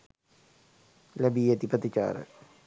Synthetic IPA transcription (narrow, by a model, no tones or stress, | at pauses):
lɐbiːɐt̪ipɐt̪it͡ɕa̰ːɾə̰